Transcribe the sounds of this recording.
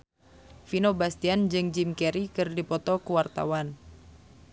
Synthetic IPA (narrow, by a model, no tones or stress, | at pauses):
finobast̪iand͡ʒɨŋd͡ʒimkɛɾikɨrdipɔt̪ɔkuwart̪a̰wan